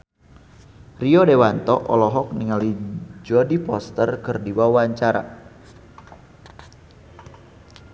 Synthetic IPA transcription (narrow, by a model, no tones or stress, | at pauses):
riɔdewant̪ɔʔɔlɔɦɔk̚niŋalid͡ʒɔdipɔst̪ərkərdiwawaɲt͡ʃaɾa̰